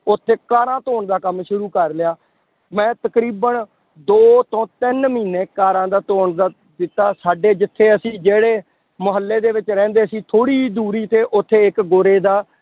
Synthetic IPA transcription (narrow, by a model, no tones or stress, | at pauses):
ʊt̪ʰːeːkaːɾãːt̪oːɳd̪aːkəmʃʊɾuːkəɾlɪjaː | mɛ̃ːt̪əkɾiːbən | d̪oːt̪õːt̪ɪnmiːnːeːkaːɾãːd̪aːt̪oːɳd̪a | d̪ɪt̪ːaːsaːɖeːd͡ʒɪt̪ʰːeːəsĩːd͡ʒeːɽeː | mʊɦəlːeːd̪eːʋɪt͡ʃɾɛ̃ːnd̪eːəsĩːt̪ʰoːɽiːd̪uːɾiːt̪eːʔʊt̪ʰːeːɪkɡoːɾeːd̪aː